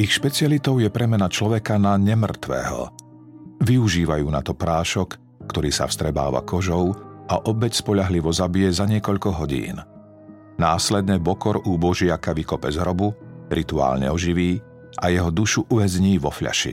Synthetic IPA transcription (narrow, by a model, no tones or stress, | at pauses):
ixʃpɛt͡sɪalit̪ɔʊjɛpɾɛmɛnat͡ʃlɔʋɛkanaɲɛmr̩t̪ʋɛ̰ːɦɔ̰ | ʋiuʒiːʋajuːnat̪ɔpɾaːʃɔkː | t̪ɔɾiːsa̰fst̪ɾɛba̰ːʋa̰kɔʒɔʊʔaʔɔbɛcspɔʎaɦliʋɔzabijɛzaɲɪɛkɔʎkɔɦɔɟḭːn | naːslɛd̪ɲɛbɔkɔɾuːbɔʒɪakaʋikɔpɛzɦɾɔbuɾʔit̪ua̰ːlɲɛ̰ɔʒiʋiː | ʔa̰jɛɦɔd̪uʃuʔuʋɛzɲiːʋɔfʎa̰ʃḭ